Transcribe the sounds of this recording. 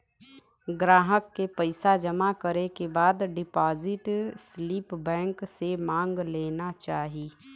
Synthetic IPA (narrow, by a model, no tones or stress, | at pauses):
ɡɾaːɦəkːepəɪsad͡ʒɐmakəɾekebaːd̪ɖɪpaːzɪʈsliːpbɛ̃ːŋksemãːŋɡleːnat͡ʃaːɦiː